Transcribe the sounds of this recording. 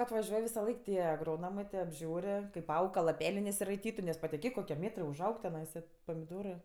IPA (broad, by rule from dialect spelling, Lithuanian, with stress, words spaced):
ɐtʋɐˈʒʲuɔj ʋʲɪsɐˈlˠɐɪk ˈtʲiɛ ɐɡroːˈnoːmɜ tʲeː ɐbʲˈʒʲuːrʲ kɐɪp ˈɐʊk kɐ lˠɐˈpʲæːlʲeː nʲɛsʲɪrɐɪˈtʲiːtʊ nʲɛs pɐtʲɪˈkʲeːk koːˈkʲiɛ ˈmʲeːtrɜ ʊʒˈɐʊk tʲɛˈnɐɪsɐ pɐmʲɪˈdoːrɜ